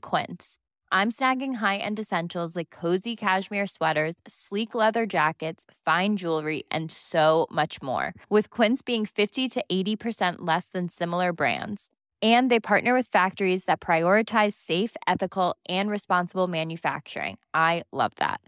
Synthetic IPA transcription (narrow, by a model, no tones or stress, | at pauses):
kʰw̥ɪ̰̃ns | ʔãɪ̃msnæɡɪ̃ŋɦaɪʔɨ̰̃ndɨsɛ̃nʃl̩ˠzlaɪkʰːoʊzikʰæʒmɪɹswɛɾə˞z̥sliklɛðə˞d͡ʒækɨtsfãɪ̃nd͡ʒulˠɹiʔɨ̰̃nsoʊmʌt͡ʃmɔ̰ɹwɨð̥kʰw̥ɪ̃ntsb̥iɪ̃ŋfɪftiɾɨʔeɪɾipʰə˞sɛ̃nʔlɛsðɨ̃nsɪ̃ml̩ˠə˞bɹæ̰̃ndz̥ | ɨ̃nðeɪpʰɑɹʔⁿnə˞wɨð̥fæk̚tə˞izðɨt̚pʰɹ̥aɪɔɹɨtʰaɪz̥seɪfɛθɨkl̩ˠʔɨ̃nɹɨspɑ̃nsəbl̩ˠmæ̃njɨfæ̰k̚t͡ʃə̰˞ɪ̰̃ŋʔaɪlʌ̰vðæ̰t̚